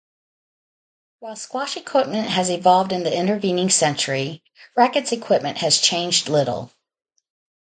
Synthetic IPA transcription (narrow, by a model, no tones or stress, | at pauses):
waɪlˠskwɑʃɨkʰw̥ɪp̚mɨ̃nʔɦɨzɨvɑlˠvdɨ̃nðiɪ̃ñtə˞vĩnɪ̃ŋsɛ̃nt͡ʃə˞i | ɹækɨtsɨkʰw̥ɪp̚mɨ̃nʔhɨz̥t͡ʃʰẽɪ̃nd͡ʒdˡlɪɾl̩ˠ